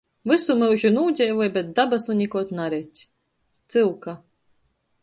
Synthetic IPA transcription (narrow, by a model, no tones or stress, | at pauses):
vɨsumɨwʒinuːd͡ʑʲɛjvujbɛt̪̚d̪abasunʲikuɔt̪naɾɛt̪ʲ | t̪sɨlka